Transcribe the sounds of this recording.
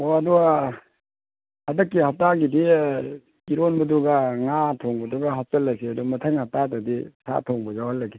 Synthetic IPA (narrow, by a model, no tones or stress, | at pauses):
oadua | hadɐkːihap̚taɡidi | iɾonbɐduɡaŋatʰoŋbɐduɡaɦap̚tɐlːaseadumɐtʰəŋhap̚tatɐdisʰa̰tʰoŋbɐzawhɐlːɐɡi